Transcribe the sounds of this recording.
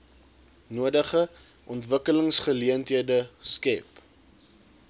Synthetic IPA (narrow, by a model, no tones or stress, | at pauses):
nuədəχə | ʔɔntvəkələŋsχəliəntɦiədəskɛp